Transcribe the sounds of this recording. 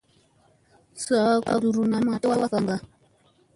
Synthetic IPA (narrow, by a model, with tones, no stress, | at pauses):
sa˨˦ka̰˨ɾu˨ɾu˨na˨ma˨te˦wa˦wa˦ka˨ŋɡa˦˨